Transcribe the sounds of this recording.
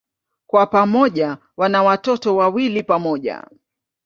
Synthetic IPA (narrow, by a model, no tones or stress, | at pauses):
kwapamɔʄa | wanawatɔtɔwawilipamɔʄa̰